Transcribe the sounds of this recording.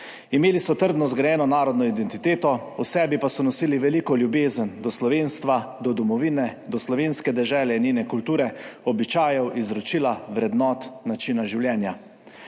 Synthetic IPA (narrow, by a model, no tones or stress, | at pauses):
imeːlisɔt̪əɾd̪nɔzɡɾajɛːnɔnaːɾɔd̪nɔid̪ɛnt̪it̪eːt̪ɔusɛːbipasɔnɔsiːliʋɛliːkɔljubeːzənd̪ɔslɔʋeːnst̪ʋad̪ɔd̪ɔmɔʋiːnɛd̪ɔslɔʋeːnskɛd̪ɛʒɛːlɛnjenɛkult̪uːɾɛɔbit͡ʃaːjɛwʔizɾɔt͡ʃiːlaʋɾɛd̪nɔt̪nat͡ʃinaʒiwljɛːnja